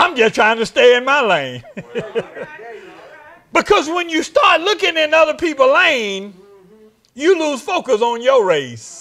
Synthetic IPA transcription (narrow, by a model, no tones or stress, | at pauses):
ãɪ̃md͡ʒʌstʰɹ̥aɪɪ̃ŋtɨsteɪɨ̃nmaɪlẽɪ̃n | b̥ɨkʰʌzwə̃njɨstɑɹtˡlʊkɪ̃ŋɨ̃nʌðə˞pʰipl̩ˠlẽɪ̃n | jɨluz̥foʊkəsn̩jəɹeɪs